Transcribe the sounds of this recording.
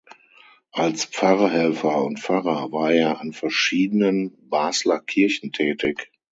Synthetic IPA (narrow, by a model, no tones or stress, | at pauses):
ʔalsp͡faʁɐhɛlfɐʊntpp͡faʁɐvaːɐʔeːɐʔanfɛɐʃiːdənənbaːslɐkʰɪɐçn̩tʰɛːtɪk